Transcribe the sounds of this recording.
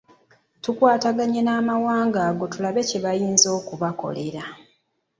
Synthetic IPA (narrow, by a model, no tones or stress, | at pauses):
tukwaːtaɡaɲenaːmawaːŋɡaːɡo̞tulaβe̞ceβajiːnzo̞ːkuβako̞̰le̞ɾa